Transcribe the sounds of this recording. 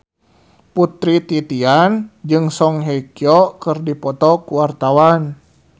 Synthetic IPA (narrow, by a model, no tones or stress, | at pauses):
put̪ɾit̪it̪iand͡ʒɨŋsɔŋɦɛkiɔʔkərdipɔt̪ɔkuwart̪awan